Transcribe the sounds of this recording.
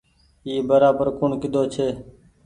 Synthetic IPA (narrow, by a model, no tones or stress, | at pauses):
iːbəɾaːbəɾkʊɳkɪd̪oːt͡ʃʰeː